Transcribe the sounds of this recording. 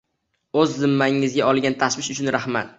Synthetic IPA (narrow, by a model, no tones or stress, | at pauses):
ɵzːɪmːaɪŋɪzɡʲaɒlˠɡʲant̪ʰaʃwɪʃʊt͡ʃʰʊnɾahma̰t̪